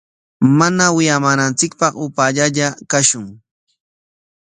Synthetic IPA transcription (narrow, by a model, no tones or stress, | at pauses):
manawɪjamaːnant͡sɪkpɑχʊpaʎaʎakaʃʊŋ